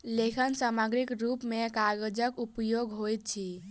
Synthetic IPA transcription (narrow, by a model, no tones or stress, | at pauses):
lekʰənsaməɡɾikɾupmekaɡed͡ʒəkupjoɡɦojt̪̚t͡ʃʰi